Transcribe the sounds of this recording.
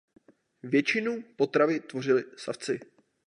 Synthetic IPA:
vjɛt͡ʃɪnupo̞t̪ɾavɪt̪vo̞r̝ɪlɪsa̰ft͡sɪ

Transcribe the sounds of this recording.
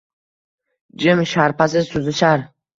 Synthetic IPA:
d͡ʒɪmʃaɾpas̬ɪzt̪ʰʊzɪʃaɾ

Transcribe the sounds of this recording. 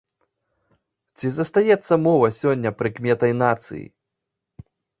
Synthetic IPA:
t͡sʲizɐst̪ajɛt̪sːɐmɔvɐsʲɔnʲːɐpɾɨkmʲɛt̪ɐjnat̪sɨ̰jḭ

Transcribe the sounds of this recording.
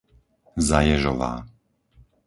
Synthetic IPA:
zajɛʒɔʋa̰ː

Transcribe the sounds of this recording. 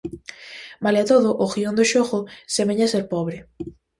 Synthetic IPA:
maleat̪oðʊʔoxiond̪ʊʃoɣosemeɲaseɾpɔβɾe

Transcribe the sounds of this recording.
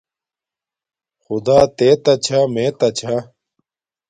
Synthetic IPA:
xʊd̪aːt̪eːt̪ɐt͡ɕʰameːt̪ɐt͡ɕʰa

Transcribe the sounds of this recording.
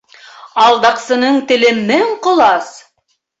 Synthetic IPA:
ɑlˠd̪ɑqsɤ̆nɤɴt̪ɘ̆lɘ̆nːɘɴqŏlˠɑs

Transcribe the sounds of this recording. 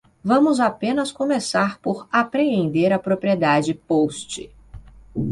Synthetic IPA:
vɐ̃mʊzapẽnɐskõmesaɾpoɾapɾeẽnd̪eɾɐpɾopɾied̪ad͡ʒɪpost͡ʃɪ̰

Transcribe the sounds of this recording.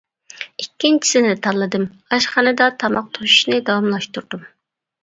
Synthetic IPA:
ikʲːint͡ʃʰi̥sɪnɪt̪ʰɑlˠːɨd̪ɨm | ɑʃχɑnɨd̪ɑt̪ʰɑmɑq̚t̪ʰoʃu̥ʃnɨd̪ɑwɑmlˠɑʃt̪uɾd̪um

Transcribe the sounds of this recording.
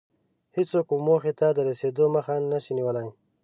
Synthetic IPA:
hɪt͡sokumːoxet̪ad̪əɾased̪oməxanəʃiniwəlaj

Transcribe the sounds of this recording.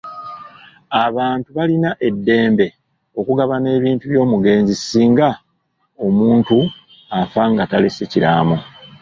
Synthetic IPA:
aβaːntuβalinaʔe̞dːe̞ːmbe̞ | o̞kuɡaβane̞ːβiːntuβjo̞ːmuɡe̞ːnzisiːŋɡa | o̞muːntu | afaŋɡataleseciɾa̰ːmo

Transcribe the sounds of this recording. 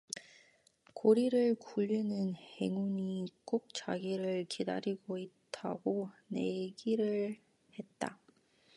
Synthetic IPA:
koɾiɾɯɭkuʎːinɯnhe̞ŋunik͈ok̚t͡ɕaɡiɾɯɭkida̰ɾiɡoittʰaɡone̞ɡiɾɯɭ | he̞t̚t͈a̰

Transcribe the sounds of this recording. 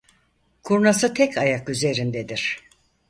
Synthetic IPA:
kʰuɾnasɯt̪ʰɛkʰajakyze̞ɾind̪ed̪iɾ̥

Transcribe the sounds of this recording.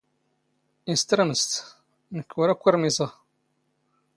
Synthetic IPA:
inst̪ɾaməst̪ | nəkːʊɾækʷːiɾmizˤɑ

